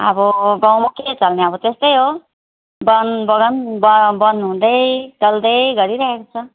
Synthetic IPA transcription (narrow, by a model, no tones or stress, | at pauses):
ʌ̰bʌɡãwmaket͡sʌlneʌbʌt̪est̪ʌjɦo | bʌnbʌɡʌnbʌbʌnɦũd̪ʌjt͡sʌld̪ʌjɡʌɾiɾʌɦekot͡sʰʌ